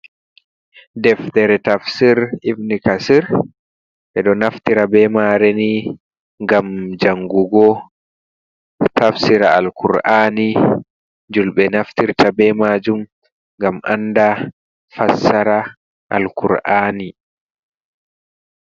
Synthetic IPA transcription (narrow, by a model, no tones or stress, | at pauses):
dɛfdɛɾɛtafsiɾivnikasiɾ | ɓɛɗɔnaftiɾabɛmaɾeni | ŋɡamd͡ʒaŋɡuɡɔ | tafsiɾaalkuɾʔaːni | d͡ʒulɓɛnaftiɾtabɛmaːd͡ʒum | ŋɡamʔanːda | fasaɾa | ʔa̰lkuɾʔaːni